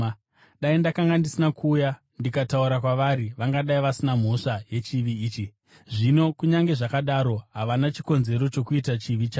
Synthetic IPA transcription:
ɗaindakaŋɡandisinakʰuːja | ndikatauɾakwaʋaɾiʋaŋɡaɗaiʋasinam̤o̞ʂaje̞t͡ʃiʋiːt͡ʃi | ʐino̞kuɲaŋɡe̞ʐakaɗaɾo̞ɦaʋanat͡ʃi̥ko̞nze̞ɾo̞t͡ʃo̞kuitat͡ʃiʋit͡ʃaː

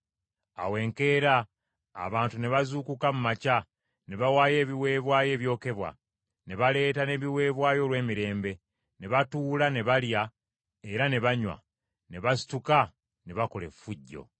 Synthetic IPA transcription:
a̰we̞ŋke̞ːɾa̰ː | βaːntune̞βazuːkukamumaca | ne̞βawaːje̞ːβiwe̞ːβwaːje̞ːβjo̞ːke̞βwa̰ | ne̞βale̞ːtane̞βiwe̞ːβwaːjo̞ːlwe̞ːmiɾe̞ːmbe̞ | ne̞βatuːlane̞βalja | e̞ɾane̞βaɲwa̰ | ne̞βasi̥tuka | ne̞βako̞le̞̰fuɟːo̞̰

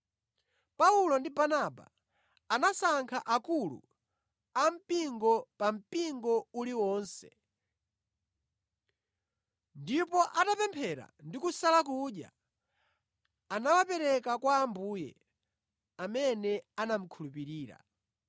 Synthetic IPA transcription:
paulɔndibanaba̰ | anasaŋkʰaʔakulṵ | am̩piŋɡɔpam̩piŋɡɔuliwɔːnsɛ̥ | ndipɔʔatapɛmpʰɛɾa̰ndikusalak̬uːɗja̰ | anawapɛɾɛkakwaːmbuːjɛ̰ | amɛnɛanam̩kʰulupiɾiːɾa̰

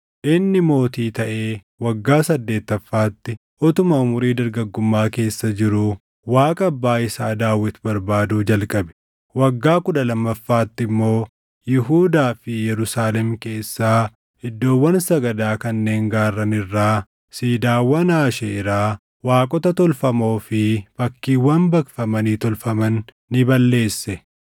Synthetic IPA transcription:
ʔɪnːɪmo̞ːt̪iːt̪ɐʔe̞ː | wɐɡːaːsɐd̪ːe̞ːt̪ːɐfːaːt̪ːɪ | ʔɔt̪ʊmɐʊmʊɾiːd̪ɐɾɡɐɡːʊmːaːke̞ːsːɐd͡ʒɪɾʊ | waːkʼɐːbːaːɪsaːd̪aːwːɪt̪bɐɾbaːd̪uːd͡ʒɐlkʼɐbɛ̥ | wɐɡːaːkʊᶑɐlɐmːɐfːaːt̪ːɪmːo̞ː | jɪɦuːd̪aːfɪjɛɾʊsaːlɛmke̞ːsːaː | ɪd̪ːo̞ːwːɐnsɐɡɐd̪aːkɐnːe̞ːŋɡaːrːɐnɪrːaː | siːd̪aːwːɐnaːʃɛɪɾaː | waːkʼɔt̪ɐt̪ɔlfɐmo̞ːfɪfɐkːiːwːɐnbɐkfɐmɐniːt̪ɔlfɐmɐnː | ɪbɐlːe̞ːsːɛ

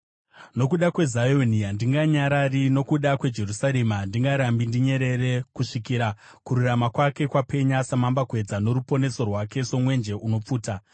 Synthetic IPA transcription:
no̞kuɗakwe̞zajoniandiŋɡaɲaɾarino̞kuɗakwe̞d͡ʒe̞rusaɾemandiŋɡaɾambindiɲe̞ɾe̞ɾe̞kuʂikiːɾa | kuɾuramakwake̞kwapʰe̞ɲasamambakwe̞d͡zano̞ɾupo̞ne̞so̞rwake̞so̞mwe̞nd͡ʒe̞ʔuno̞p͡fuːta

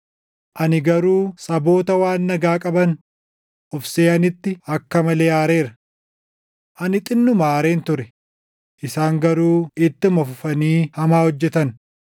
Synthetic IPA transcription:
ʔɐnɪɡɐɾuːsɐbo̞ːt̪ɐwaːnːɐɡaːkʼɐbɐn | ʔɔfseːɐnɪt̪ːɪɐkːɐmɐle̞ːjaːɾe̞ːɾɐ | ʔɐnɪt̪ʼɪnːʊmaːɾe̞ːnt̪ʊɾɛ | ʔɪsaːŋɡɐɾuːɪt̪ːɪmɐfʊfɐniːhɐmaːhɔd͡ʒːɛt̪ɐn

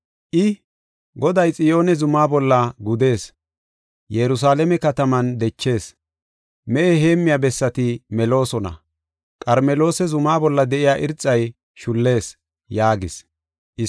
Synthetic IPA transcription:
ʔɪ | ɡɔd̪ɐjt͡sʼɪjo̞ːnɛzʊmaːbɔlːɐɡʊd̪e̞ːs | jɛɾʊs̬aːlɛmɛkɐt̪ɐmɐnd̪ɛt͡ʃːe̞ːs | mɛʔɛɦe̞ːmːɪjaːbɛsːɐt̪ɪmɛlo̞ːsɔnɐ̰ | kʼɐɾmɛlo̞ːsɛzʊmaːbɔlːɐd̪ɛʔɪjaːʔɪɾt͡sʼːɐj | ʃʊlːe̞ːs | jaːɡɪs | ʔɪ

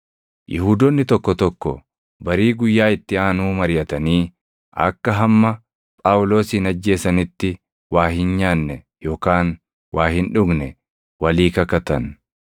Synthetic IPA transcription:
jɪhuːd̪ɔnːɪt̪ɔkːɔt̪ɔkːɔ | bɐɾiːɡʊjːaːɪt̪ːɪaːnuːmɐɾɪjɐt̪ɐniː | ʔɐ̰kːɐɦɐmːɐ | pʼaːwʊlo̞ːsːnɐd͡ʒːe̞ːsɐnɪt̪ːɪ | waːhɪnɲaːnːɛ | jo̞ːkaːn | waːhɪnᶑʊɡnɛ | wɐliːkɐkɐt̪ɐn

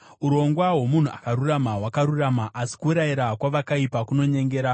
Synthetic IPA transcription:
uɾo̞ŋɡwawo̞mun̤uakaɾuramaɦwakaɾuramaʔasi̥kuːɾaiɾakwaʋakaipakuno̞ɲe̞ŋɡe̞ːɾa

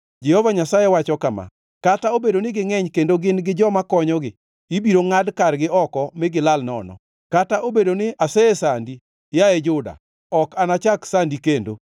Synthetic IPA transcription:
d͡ʒɛhɔvaɲasajewat͡ʃɔkama̰ | kataobedonɪɡɪŋɛɲkendoɡɪnɡɪd͡ʒɔmakɔɲɔɡɪ | ibiɾoŋadkarɡɪɔkɔmɪɡɪlalnɔ̰nɔ̰ | kataʔobedonɪasɛesandi | jaed͡ʒʊda̰ | ɔkanat͡ʃaksandikendo̰

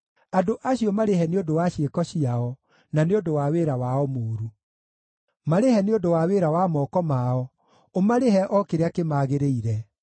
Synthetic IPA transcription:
adoʔaɕiɔmaɾehɛneodowaɕekɔɕiaɔ | naneodowaweːɾawaɔmoːɾu | maɾehɛneondowaweɾawamɔkɔmaɔ | omaɾeɦɛʔɔkeɾeakemaːɣeɾeiɾɛ

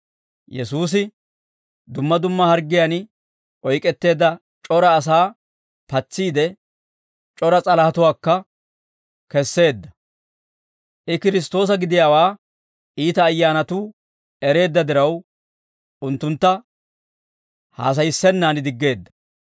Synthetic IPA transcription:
jɛsuːs̬ɪ | d̪ʊmːɐd̪ʊmːɐhɐɾɡːɪjan | ʔɔjkʼɛt̪ːe̞ːd̪ːɐ | t͡ʃʼɔɾɐːs̬aː | pɐt͡sːiːd̪ɛ | t͡ʃʼɔɾɐt͡sʼɐlɐhɐt̪ʊwaːkːɐ | kɛsːe̞ːd̪ːɐ | ʔɪkɪɾɪst̪o̞ːs̬ɐɡɪd̪ɪjaːwaː | ʔiːt̪ɐːjːaːnɐt̪uː | ɛɾe̞ːd̪ːɐd̪ɪɾɐw | ʊnt̪ːʊnt̪ːɐ | ha̰ːs̬ɐjɪsːɛnːaːnɪd̪ɪɡːe̞ːd̪ːɐ̥

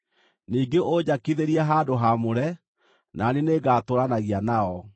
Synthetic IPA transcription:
niːɡeʔoɲakiðeɾiaɦaːdoɦamoɾɛ | naneneɡaːtoɾanaɣianaɔ

